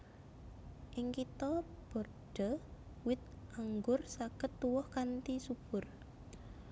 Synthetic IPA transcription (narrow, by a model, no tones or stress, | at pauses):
ʔɪŋkit̪ɔ | b̥o̤r | ɖ̥ə̤ | wɪt̪̚ʔaŋɡʊrsaɡ̥ət̪ːuwɔhkant̪isub̥ʊr